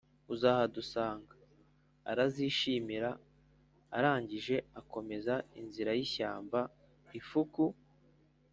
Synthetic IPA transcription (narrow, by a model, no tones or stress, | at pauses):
uzahadusaːŋɡa̰ː | ɾaziːʃiːmiɾaː | ɾaːɲɟiʒe̞ako̞me̞zainziɾajiçaːmba | ifuku